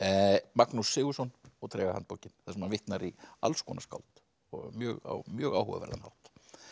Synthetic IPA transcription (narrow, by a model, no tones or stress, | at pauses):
maknusːɪːɣusɔnɔɣt̪ʰɾɛːɣahant̪̚powcɪnθɛsɛmanvɪht̪naɾia̰lskɔːnaska̰wlt̪ | ɔmjœːɣa̰mjœːɣawhɔ̰vɪ̰vɛ̰ɾðanha̰wht̪